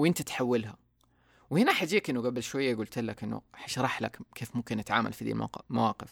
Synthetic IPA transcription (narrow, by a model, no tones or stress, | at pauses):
wʔɪnt̪at̪ħawːɪlha | whɪnaħad͡ʒiːkʔɪnːʊɡabɪlʃwajːaɡuːlt̪alːakʔɪnːṵħaʃɾˤɑħla̰kkʰeːfmʊmkɪnʔat̪ʕaːma̰lfid̪ḭma̰mawaːqɪf